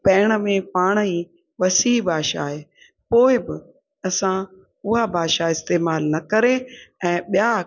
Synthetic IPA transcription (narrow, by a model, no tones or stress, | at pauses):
pɛːɽ̃ə̆mẽpaːɽ̃əiː | ʋɐsiːbʱaːʃaːɦeː | poːɪbɪ | ɐsã | ʊɦabʱaːʃaɪst̪eːmaːlnɐkɐɾeɛ̃ːɓijaː